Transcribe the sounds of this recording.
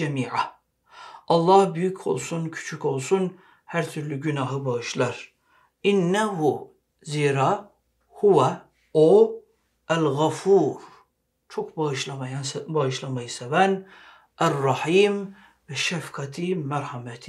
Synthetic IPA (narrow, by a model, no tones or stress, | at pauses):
ɛmiːʕa | ʔɑlˠːɑhbyjycʰo̞̰lˠsuncʰy̥t͡ʃʰykolˠsun | hæɾt̪ʰyɾlyɟynɑɦɯbɑɣɯʃlˠɑɾ | ʔinːæhu | ziːɾa | huwæ | o | ælɣafuɾ | t͡ʃʰokbɑɯʃlˠɑmajbaɯʃlˠɑmajɯsɛvæn | ʔærːɑħiːm | vɛʃæfkʰɑt̪ʰimæɾħamɛt̪ʰi̥